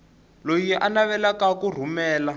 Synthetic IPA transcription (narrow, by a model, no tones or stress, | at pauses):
lojiʔanaβɛlakakur̤umɛːla